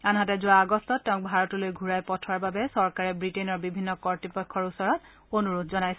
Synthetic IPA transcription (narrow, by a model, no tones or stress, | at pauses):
anɦatɛzʊaːɡɔstɔtːɛʊ̃k̚bʱaɹɔtʊlojɡʱuɹajpɔtʰwaɹbabɛsɔɹkaɹɛbɹitɛnɔɹbibʱinːɔkɔɹtipɔkʰːɔɹusɔɹɔt | onuɹod̚ʱzɔnajsɛ